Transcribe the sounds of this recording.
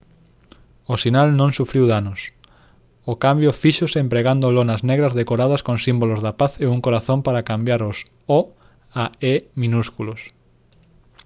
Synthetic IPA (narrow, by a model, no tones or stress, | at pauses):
osinalnõŋsufɾiwðanos | okambjofiʃosempɾeɣand̪ʊlonɐznɛɣɾɐzðekoɾað̞ɐskõŋsimbolozðɐpaθeuŋkoɾaθõmpaɾakambjaɾos | ɔ | aemĩnuskulos